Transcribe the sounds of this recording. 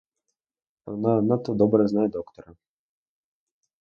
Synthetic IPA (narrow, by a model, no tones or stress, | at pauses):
a̰nad̪nat̪ɔd̪ɔbɾɛznajɛd̪ɔkt̪ɔɾa